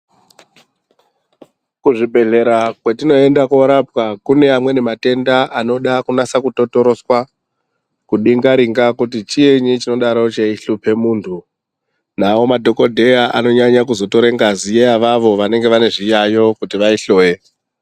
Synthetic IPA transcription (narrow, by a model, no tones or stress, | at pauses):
kuʐibʱe̞ɮe̞ɾakwetino̞endakoɾapwakune̞amwe̞ne̞mate̞ndaʔano̞ɗakunasakuto̞to̞ɾo̞swa | kuɗiŋɡaɾiŋɡakutit͡ʃieɲit͡ʃino̞ɗaɾo̞t͡ʃeiɬupe̞muːntʰu | nao̞madʱo̞ko̞dʱe̞jaʔa̰no̞ɲaɲakuzo̞to̞ɾeŋɡazijeaʋaʋo̞ʋane̞ŋɡe̞ʋane̞ʐijajo̞kutiʋaiɬo̞ːje̞